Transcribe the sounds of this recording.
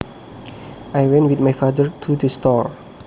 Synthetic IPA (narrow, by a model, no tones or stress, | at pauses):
ajwɛ̃ntwit̚majfadəɹt̪ʰudəstɔɹ